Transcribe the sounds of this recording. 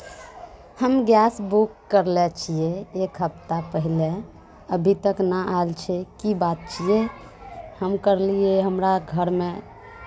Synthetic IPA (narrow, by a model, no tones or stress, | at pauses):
həmɡjasbukːəɾlɛt͡ʃʰijeekɦəpt̪apəɦile | əbʱit̪əknəʔalt͡ʃʰɛkibat̪̚t͡ʃʰije | həmkəɾlieɦəmɾaɡʱəɾme